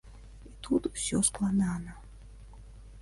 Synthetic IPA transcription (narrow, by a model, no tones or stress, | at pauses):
it̪ʰut̪wsʲɔsklˠanaːnɐ